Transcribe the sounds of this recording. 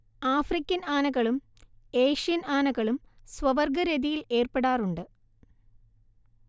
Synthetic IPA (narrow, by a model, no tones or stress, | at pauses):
aːfrikʲːɐnaːnɐɣɐɭum | e̞ːʂijɐnaːnɐɣɐɭumsʋɐʋɐrɡɐɾeðijile̞ːrpeɽaːruɳɖɨ